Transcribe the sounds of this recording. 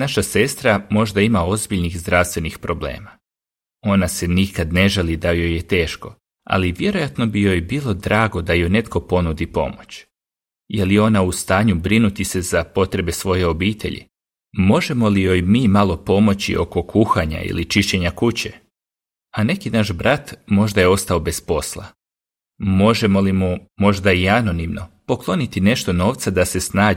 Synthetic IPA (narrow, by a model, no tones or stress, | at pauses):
naʃase̞st̪ɾamo̞ʒd̪aimao̞zbiʎnixzd̪ɾast̪ʋe̞nixpɾo̞blḛːma | o̞nase̞nikad̪ne̞ʒelid̪ajo̞jːet̪e̞ːʃko̞ | a̰liʋje̞ɾo̞jat̪no̞bijo̞jbiːlˠo̞d̪ɾaːɡo̞d̪ajojne̞t̪ko̞po̞nud̪ipo̞̰mo̞t͡ɕ | jelio̞naust̪aːɲubɾinut̪ise̞zapo̞t̪ɾe̞be̞sʋo̞je̞o̞biːt̪ʰḛʎḭ | mo̞ʒe̞mo̞lijo̞jmiːmalˠo̞po̞mo̞t͡ɕḭʔo̞̰ko̞kʰuxaɲa̰ḭlit͡ʃiʃt͡ɕe̞ɲakut͡ɕe̞ | ane̞kinaʃbɾat̪mo̞ʒd̪aje̞o̞st̪ao̞be̞spo̞slˠa̰ | mo̞ʒe̞mo̞limumo̞ʒd̪aiano̞nimno̞po̞klˠo̞nit̪ine̞ʃt̪o̞no̞ːʋt̪sad̪ase̞snaː